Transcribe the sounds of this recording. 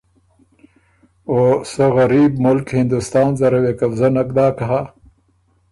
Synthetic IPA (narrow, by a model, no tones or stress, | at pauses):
osəɣaɾiːbmʊlkhɪnd̪ust̪ɑːnzaɾawekafzanak̚d̪ɑːkaɦa